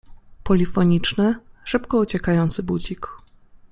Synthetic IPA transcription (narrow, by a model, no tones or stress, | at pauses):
pɔlʲifɔɲit͡ʂnɘʂɘpkɔut͡ɕɛkajɔnt̪sɘbud͡ʑik